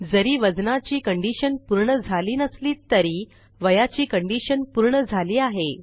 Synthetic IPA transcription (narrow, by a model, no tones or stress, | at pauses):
d͡zəɾiːʋəd͡znat͡ɕiːkəɳɖiɕənpuɾɳəd͡zʱaliːnəsliːt̪əɾiː | ʋəjat͡ɕiːkəɳɖiɕənpuɾɳəd͡zʱaliːaɦe